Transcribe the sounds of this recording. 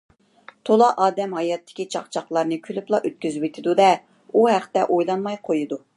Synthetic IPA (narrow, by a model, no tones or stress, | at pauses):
t̪ʰolˠɑʔɑːd̪ɛmɦɑjɑt̪ʰːɪ̥kʲit͡ʃʰɑ̰qt͡ʃʰɑχlˠɑɾnɨkʲʰylyplˠɑʔøt̪̚kʲyzywet̪ʰɪd̪ud̪ɛ | uɦæχt̪ɛʔojlˠɑnmɑjqʰojud̪u